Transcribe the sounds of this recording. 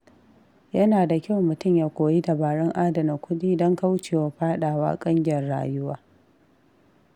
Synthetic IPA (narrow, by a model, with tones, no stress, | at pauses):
jɐ˦naː˨da˨kʲa˦˨wmʊ˨tʊ˦˨mjaː˦kʷoː˨ji˦da˨baː˨ɽɛ˦ŋʔaː˦dɐ˨na˨kʷʊ˦diː˦dɔ˦ŋka˦wt͡ʃeː˨wa˨ɸaː˦ɗaː˨wa̰ː˦kʼɐ˦ŋɡʲɪ˦˨jɐ˨rɽa̰ː˨jʊ˦waː˦